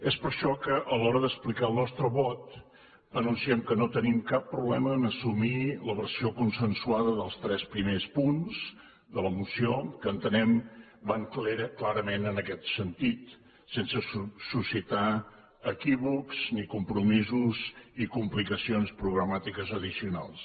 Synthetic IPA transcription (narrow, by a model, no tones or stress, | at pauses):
espəɾʃɔkəʔəlɔɾəðəsplikaəlˠnɔst̪ɾəβɔt̪ | ənunsiɛmkənot̪ənimkapːɾuβlɛməːnəsumiləβəɾsiokunsənsuaðəðəlˠst̪ɾɛspɾimespunzs | d̪ələmusiokəːnt̪ənɛm | baŋkleɾəklaɾəmenənəkɛt̪sənt̪it̪ | sensəsusit̪a | əkiβukznikumpɾumizuzikumplikəsionspɾuɣɾəmat̪ikəzəðisiuna̰lˠs